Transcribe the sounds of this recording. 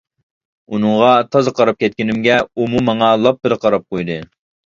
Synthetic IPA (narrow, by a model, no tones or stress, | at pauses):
unɨŋʁɑt̪ʰɑzɨqʰɑɾɑp̚kʲʰɛt̪̚kʲinɪmɡʲɛumumɑŋɑlˠɑp̚bɪɾqʰɑɾɑp̚qojd̪ɨ